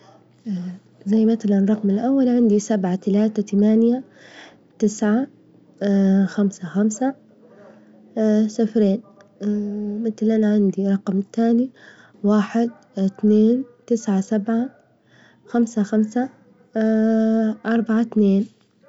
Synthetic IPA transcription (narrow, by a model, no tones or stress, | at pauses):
zajːmat̪alanˤɑqmɪlʔawːalʕɪnd̪isabʕat̪alaːt̪at̪amaːnja | t̪ɪsʕa | xamsaxamsa | safɾeːn | mɪt̪lʔanaʕɪnd̪iɾˤɑqmt̪aːni | waːħɪd̪̚ | t̪neːnt̪ɪsʕasabʕa | xamsaxamsa | ʔɑɾˤbaʕat̪neːn